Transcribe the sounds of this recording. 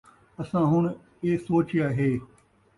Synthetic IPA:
ɐsãɦʊɽ̃ | eːsoːt͡ʃɪjaːɦeː

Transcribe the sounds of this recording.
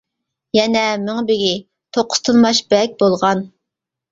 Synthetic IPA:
jɛnɛmɪŋbɪɡʲi | t̪ʰoqʰːʊ̥st̪ʰɨlˠmɑʃbɛkʲbolˠʁɑn

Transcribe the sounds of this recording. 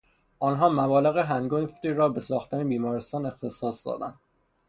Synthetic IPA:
ʔɒːnɦɒːmæbɒːleɣeɦænɡonft̪iːɾɒːbesɒːxt̪ænebiːmɒːɾest̪ɒːne̞xt̪ʰe̞sɒːsd̪ɒ̰ːd̪ænd̪

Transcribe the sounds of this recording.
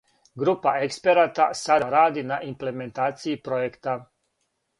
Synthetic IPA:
ɡɾupaekspeɾat̪a̰sad̪aɾaːd̪inaʔimple̞me̞nt̪aːt̪siipɾojekt̪a

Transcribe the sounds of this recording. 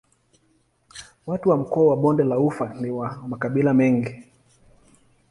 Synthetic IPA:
watuwam̩kɔawaɓɔndɛlaufaniwamakaɓilamɛŋɡi

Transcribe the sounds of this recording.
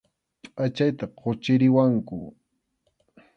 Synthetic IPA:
pʼat͡ʃajt̪aqot͡ʃɪɾɪwaŋkʊ̰

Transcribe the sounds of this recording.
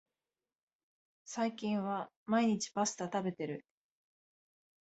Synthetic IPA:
saikʲĩɰ̃βa | maiɲ̟it͡ɕi̥pasɨ̥t̪at̪abe̞t̪e̞ɾɯ̟

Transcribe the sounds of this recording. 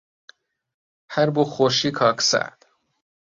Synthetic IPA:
hæɾboxoʃiːkʰɑːkʰsæ̰d̪̥

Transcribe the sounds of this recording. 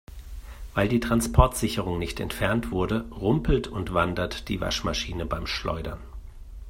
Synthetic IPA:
v̥aɪldiːtʁ̥anspʰɔɐtz̥ɪçəʁ̞ʊŋnɪçtɛ̰ntfɛɐntv̥ʊɐdəʁʊmpl̩tʰʊntv̥andɐtd̥ḭːva̰ʃmaʃiːnəbaɪmʃlɔ̰ʏdɐ̰n

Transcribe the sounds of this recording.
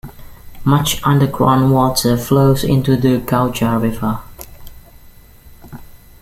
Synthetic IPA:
mʌt͡ʃʌ̃ndəɡʰɹã̰ʊ̃nwɔtəfloʊzɪ̰̃ntuðəɡaʊd͡ʒaɹɪvə

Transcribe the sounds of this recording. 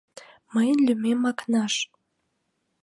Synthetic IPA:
məjənlʲymemɑknɑʃ

